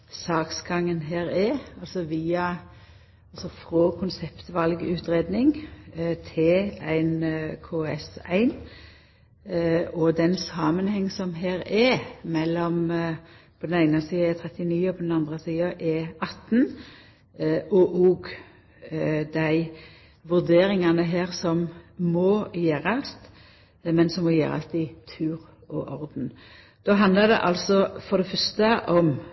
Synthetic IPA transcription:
sɑːksɡɑŋːənɦeːɾɛɑlsɔʋiːɑ | ɑlsɔfʁoːkʰʊnsɛpt̪ʋɑlɡʉːt̪ʁeːd̪nɪŋt̪ʰɪlæɪnkʰoːɛsæ̰ɪn | ɔd̪ɛnsɑːmənhɛŋːsɔmɦeːɾɛmɛlːɔm | pʰɔd̪ɛnæɪnəsiːəɛt̪ʰɾɛt̪ɪniːɔpʰɔd̪nɑnd̪ʁəsiːəʔɛɑt̪ːn | ʔɔʔoːɡ | d̪æɪ | ʋʉʁd̪eːɾɪŋɑnəɦeːɾsɔmmɔjeːɾɑlt̪ | mɛnsɔmːɔjḛːɾə̰ɑ̰lt̪ɪt̪ʰʉːɾ | ɔʔɔɾd̪n | d̪̥oːɦɑnd̪ləd̪ɛ̰ʔɑlsɔfɔɾd̪ɛfœɾst̪əʔɔm

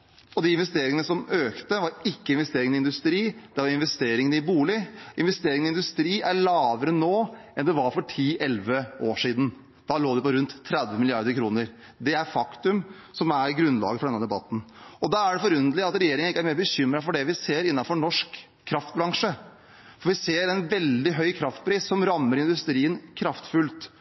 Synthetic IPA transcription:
ɔd̪ɪɪnʋɛst̪eːɾɪŋənəsɔmøːkt̪əʋɑɾɪkːəɪnʋɛst̪eːɾɪŋənɪnd̪ʉst̪ɾiːd̪̥ɛʋɑɾɪnʋɛst̪eːɾɪŋənɪbuːlɪɪnʋɛst̪eːɾɪŋnɪnd̪ʉst̪ɾiːʔæɾɭɑːʋəɾənːoːʔɛnd̪ɛʋɑɾfɔʈʰiːʔɛlʋəoːʂiːd̪n̩ | d̪̥ɑloːd̪ɛpɔɾʉnt̪ʰːɾɛd̪ʋəmɪlɪɑɾd̪əɾkʰɾuːnəɾ | d̪ɛæɾfɑkt̪ʉm | sɔmæɾɡɾʉnlɑ̰ːɡəfɔɾɖɛnːəd̪ɛbɑt̪ːn̩ɔd̪ɑæɖɛfɔɾʉnd̪əlɪɑt̪ɾɛjeːɾɪŋnɪkːəæɾmeːɾbəçʏmɾɑfɔɖɛʋɪseːɾɪnːɑfɔɳɔʂkʰː | ɾɑft̪̚bɾɑŋʂə | fɔɾʋɪseːɾɛnʋɛld̪ɪɦœʏkʰɾɑft̪̚pʰɾiːsːɔmɾɑmːəɾɪnd̪ʉst̪ɾiːənkʰɾɑft̪fʉlt̪

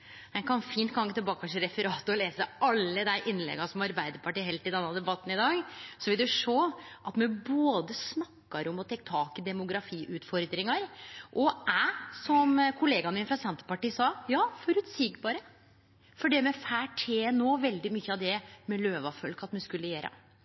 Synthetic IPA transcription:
d̪ɛnkʰɑnfiːnt̪̚ɡɑŋɡət̪ɪlbɑːkʰɑʂəɾɛfəɾɑːt̪əɔleːsəʔɑlːəd̪æɪʔɪnːlɛ̰ɡɑsɔmɑɾbæɪd̪əɾpʰɑʈiːɦeːlt̪iːd̪ɛnːɑd̪ɛbɑt̪ːn̩ɪd̪ɑːɡsɔʋɪld̪ʉʂoːʔɑt̪mɛboːd̪əsnɑkːɑɾʊmɔt̪ʰɛk̚ːt̪ʰɑːkɪd̪ɛmʊɡɾɑfiːʔʉːt̪fɔɾd̪ɾɪŋɑɾʔɔʔæsɔmkʰʊleːɡɑnmɪnfɾɑsɛnt̪əpɑʈiːsɑːjɑːfɔɾʉt̪siɡbɑːɾə | fɔɖɛæmɛfæːʈʰeːnoːʋɛld̪ɪmyçːəɑʋd̪ɛmɛløːʋɑfɔlkɑt̪mɛnskʉlːəjeːɾɑ̰

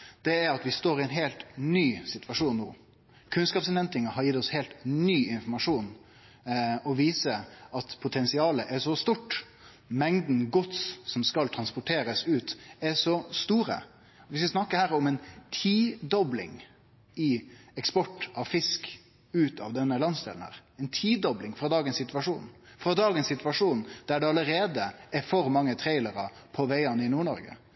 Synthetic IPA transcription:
d̪̥ɛæɾɑt̪ʋɪst̪oːɾɪɛnɦeːlt̪nyːsɪt̪ʋɑʂuːnnuː | kʰʉnskɑːpsɛnʋɛnt̪ɪŋəɦɑɾjɪt̪ːɔsheːlt̪nyːɪnfɔɾmɑʂuːn | ɔʋiːsəɑt̪pʰʊt̪ʰɛnsɪɑːləʔɛʂɔst̪uʈː | mɛŋd̪n̩ɡʊt̪sːɔmskɑlt̪ʰɾɑnspʊʈʰeːɾəsʉːt̪ɛʂɔst̪uːɾə̰ | ʋɪskʋɪsnɑkːəhæːɾɔmɛɪnt̪ʰiːd̪ɔblɪ̰ŋ | ɪɛkspɔʈːɑʋfɪsk | ʉːt̪ʰɑ̰ʋd̪ɛnːəlɑnst̪ɛ̰lnə̰ɾɛɪnt̪ʰiːd̪ɔblɪŋfɾɑːd̪ɑːɡənsɪt̪ʋɑʂuːnfɾɑd̪ɑːɡənsɪt̪ʋɑʂuːnd̪̥æɖɛɑləɾeːd̪əʔɛfɔɾmɑŋːət̪ʰɾæɪləɾɑpʰɔʋæɪɑnɪnuːɳɔ̰ɾɡə̰

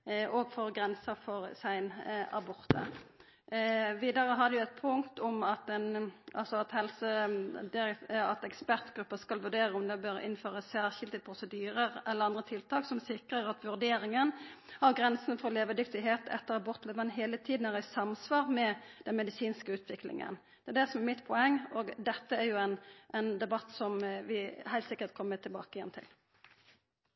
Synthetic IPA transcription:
ʔɔɡfɔʁɡʁɛnsəfɔʁsæɪnɑ̰bɔʁt̪ə̰ | ʋiːd̪ɑʁəɦɑd̪ɛjʊɛt̪̚pʰʊŋkt̪ɔmɑt̪ɛnɑlsɔɑt̪hɛlsəd̪ɪɑt̪ɛkspæʁt̪ɡ̥ɾʉpːəskɑlʋʉɾɖ̪eːʁəʊmnd̪əbøːʁʔɪ̰nføːʁəsæːʁʃɪld̪ɪəpʰʁʊsəd̪yːɾəʁɛlːəʁɑnd̪ʁət̪ʰɪlt̪ʰɑːksɔmsɪkʁəʁɑt̪ʋʉʁd̪eːɾɪŋənhɑʁɡʁɛnsnfɔʁleːʋəd̪ʏkt̪ɪɦeːt̪ɛ̰t̪ːəʁɑbɔʁt̪leːʋənɦeːlət̪ʰiːd̪n̩æʁæsɑmsʋɑːʁmɛd̪̥ɛnmɛd̪ɪsiːnskəʉːt̪ʰʋɪklɪ̰ŋə̰n | d̪̥ɛæd̪ɛsɔmɛʁmɪt̪pʰɔɛŋːoːɡd̪ɛt̪ːəæʁjʊɛnʔɛnd̪ɛbɑt̪ːsɔmʋɪhæɪsɪkːəʁt̪̚kʰɔmːət̪ʰɪlbɑ̰ːkəɪjɛ̰nt̪ʰɪ̰l

